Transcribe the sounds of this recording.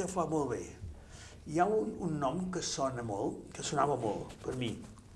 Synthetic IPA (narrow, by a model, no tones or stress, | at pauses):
əfamolˠβe | iaununːɔmkəsɔnəmɔlˠkəsunaβəmɔ̰lˠpəɾmi